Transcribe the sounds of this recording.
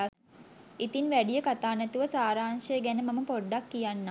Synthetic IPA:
it̪inʋæɖijəkat̪aːnæt̪uʋəsaːɾaːnʃəjəɡænəmaməpoɖːakːijanːa

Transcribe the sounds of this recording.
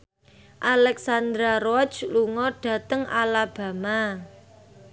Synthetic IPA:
ʔalɛksand̪ɾaɾɔd͡ʒluŋɔɖ̥ä̤t̪əŋʔalab̥ä̤ma

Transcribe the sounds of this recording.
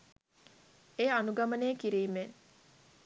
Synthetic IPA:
eanuɡɐmɐneːkiɾiːmen

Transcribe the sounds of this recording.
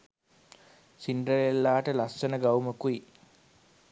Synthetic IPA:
siɳɖəɾelːaːʈəlassənəɡawuməkui

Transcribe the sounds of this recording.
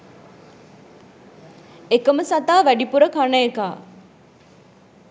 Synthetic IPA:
ekəməsat̪aːʋæɖipuɾəkanəekaː

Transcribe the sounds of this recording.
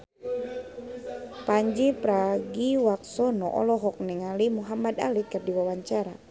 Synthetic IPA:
paɲd͡ʒipɾaɡiwak̚sɔnɔ̰ʔɔ̰lɔɦɔk̚nɛŋalimuɦamad̪a̰likərdiwawaɲt͡ʃaɾa

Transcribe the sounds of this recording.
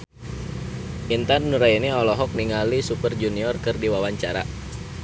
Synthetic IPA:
ʔint̪anːuɾainiɔlɔɦɔk̚niŋalisupərd͡ʒuniɔrkərdiwawaɲt͡ʃaɾa̰

